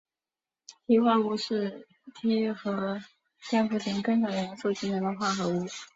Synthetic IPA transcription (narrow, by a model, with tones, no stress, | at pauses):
t̪ʰi˧˥xwa˥˧u˥˩ʂɻ̩˥˩ | t̪ʰjɛ˥xɤ˧˥ | tjɛ˥˧nfu˥˩tʰi˧˥ŋkɤ˥ŋʂɑ˨˩jɛ˧˥n˥so˥˩ʊt͡ɕi˥nɛ˧˥nd̪ə˧xwa˥˩xɤ˧˥u˥˩